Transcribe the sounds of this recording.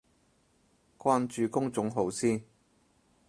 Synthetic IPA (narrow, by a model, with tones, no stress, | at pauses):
kʷwaː˥nt͡ʃyː˨˧kʊ˥ŋt͡sʊ˨˥ŋɦo˨˧wsiː˥